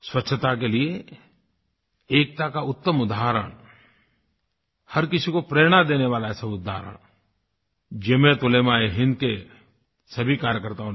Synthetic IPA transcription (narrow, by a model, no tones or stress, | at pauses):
swɐtːʃʰət̪ak̬elie | eːk̚t̪akaʊt̪ːəmʊd̪aɦɾə̰ɽ̃ | hɐɾkɪsikopɾeːɽ̃ad̪eːneʋaːlaɛsabʊd̪ːa̰ːɾə̰ɽ̃ | d͡ʒemẽt̪ʊleːmaeɦɪ̃nd̪ke | sɐbʱikaːɾjəkəɾt̪ao